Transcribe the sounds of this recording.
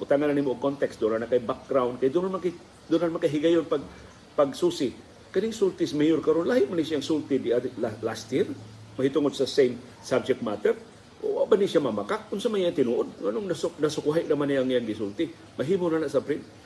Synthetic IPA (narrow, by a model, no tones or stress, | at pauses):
ʔʊt̪aŋananimoʔːkont̪ɛksd̪ʊnanakajbak̚ɡɾawnd̪̚kajd̪ʊnanmak | d̪ʊnanmaŋkaɦɪɡajonpaɡ̚ | pɐɡsuːsɪ | kɐniŋsult̪ɪsmɛjoɾkɐɾonlaːhɪʔmanisjaaŋsult̪ɪd̪ialalast̪jiɾ | mɐhit̪ʊŋod̪̚sɐsejm | sab̚d͡ʒɛk̚t̪̚mat̪ɛɾ | ʔo̰wa̰ʔbaniʃamamakak̚ʊnsanmaijaŋt̪ɪnuːʔod̪̚ŋanʊŋnasʊnɐsʊkuɦɪʔnɐmanijaŋijaŋɡɪsult̪ɪ | mɐɦiːmonanaʔsapɾɪn